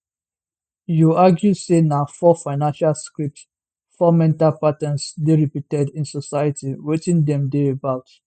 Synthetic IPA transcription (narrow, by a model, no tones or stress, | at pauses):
juaɡjusenafɔfaɪnãnʃalskɹip̚t | fɔmɛ̃ntalpatãnsdeɹipitɛdĩnsosaɪjətiwetĩndɛ̃mdeebaʊt